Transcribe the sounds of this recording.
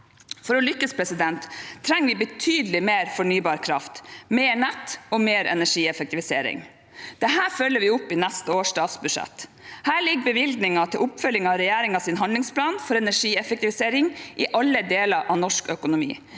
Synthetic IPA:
fɔɾɔlʏkːəspʰɾɛsɪd̪ɛnt̪ʰːɾɛŋːʋɪbət̪ʰyːd̪əlɪmeːɾfɔɳyːbɑːɾkʰɾɑft̪meːɳɛt̪ːɔmeːɾʔɛ̰næʂiːɛfək̚t̪ɪʋɪsḛːɾɪ̰ŋ | d̪̥ɛɦæːɾfœlːəʋɪʊpːɪnæst̪əoːʂtɑːsbʉʂɛ̰t̪ː | hæːɭɪɡbəʋɪld̪nɪŋɑt̪ʰɪlʔʊpfœljɪŋɑʋɾɛjæːɾɪŋɑsɪnɦɑnd̪lɪŋspʰlɑːnfɔɾɛnæʂiːɛfək̚t̪ɪʋɪseːɾɪŋʔɪʔɑlːəd̪eːlɑɾʔɑʋnɔʂkœkʊnʊmḭː

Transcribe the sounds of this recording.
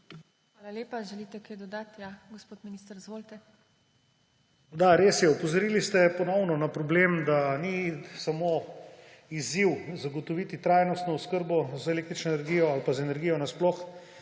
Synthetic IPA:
xʋaːlaleːpaʒɛlit̪ɛkajd̪ɔd̪aːt̪jaɡospoːt̪miniːst̪əɾzʋoːlt̪ɛ | d̪aɾesjɛɔpɔzɔɾilist̪ɛpɔnɔwnɔnapɾɔbleːmd̪anisamo | iziwzaɡot̪ɔʋit̪it̪ɾajnɔst̪nɔuskəɾbɔzeleːk̚t̪ɾit͡ʃnɔenɛɾɡijɔalpazɛnɛɾɡijɔnasplɔx

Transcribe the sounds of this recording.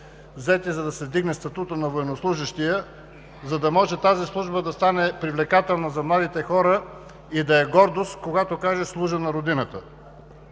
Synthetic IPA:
vzɛt̪izɐd̪ɐsɛvd̪iɡnɛst̪ɐt̪ut̪ənɐvoɛnoslˠuʒəʃt̪ijə | zɐd̪ɐmɔʒɛt̪azislˠuʒbəd̪ɐst̪anɛpɾivlɛkat̪ɛlˠnɐzɐmlˠad̪it̪ɛxɔɾə | id̪ɐɛɡɔɾd̪ost̪koɡat̪okaʒɛslˠuʒənɐɾod̪inət̪ə

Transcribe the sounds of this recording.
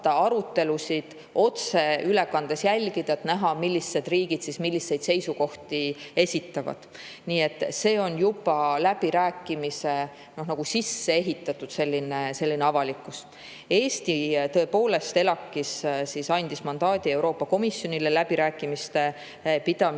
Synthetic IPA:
ɑɑɾut̪ːe̞lusid̪̥ | o̞t̪se̞yle̞kɑnd̪̥esjælʲɡid̪̥ɑet̪næɦɑmilʲːisːe̞d̪̥riːɡ̥id̪sismilʲːisːe̞jd̪̥se̞jsuko̞ht̪ie̞sʲit̪ːˑɑvɑ̰d̪̥ | niːe̞t̪ːˑse̞ːo̞njubɑlæb̥iɾæːkːˑimise̞ | no̞hnɑɡ̥usisːe̞e̞ɦit̪ːˑɑt̪ːˑud̪̥se̞lʲːinese̞lʲːineɑvɑlikːˑus | e̞ːst̪it̪ɤ̞e̞po̞ːle̞st̪e̞lɑkːˑissisɑnʲd̪̥ismɑnd̪ɑːd̪̥ie̞wɾo̞ːpːˑɑko̞misjo̞nʲilelæb̥iɾæːkːˑimist̪e̞ | pid̪̥ɑm

